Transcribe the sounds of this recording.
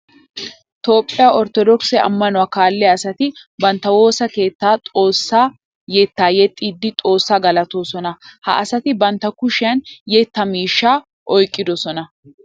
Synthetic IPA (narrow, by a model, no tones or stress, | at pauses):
t̪o̞ːpʼːɪjaːɔɾt̪ɔd̪ɔksɛɐ̰mːɐnʊwaːkaːlːɛɐsɐt̪ɪbɐnt̪ːɐwo̞ːsɐke̞ːt̪ːaːt̪ʼo̞ːsːaː | jɛt̪ːaːjɛt̪ʼːiːd̪ːɪt̪ʼo̞ːsːaːɡɐlɐt̪oːsɔnɐhɐ̰ʔɐsɐt̪ɪbɐnt̪ːɐkʊʃɪjɐnjɛt̪ːɐmiːʃːaː | ʔɔjkʼːɪd̪ɔsɔnɐ